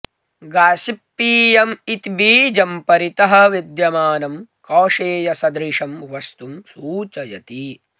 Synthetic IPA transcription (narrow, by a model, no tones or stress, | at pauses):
ɡaːsipːiːjɐmit̪biːd͡ʒɐmpɐɾit̪ɐɦɐ̆ʋid̪jɐmaːnɐmkɔːʂeːjɐsɐd̪ɾiʂɐmʋɐst̪umsuːt͡ʃɐjɐt̪i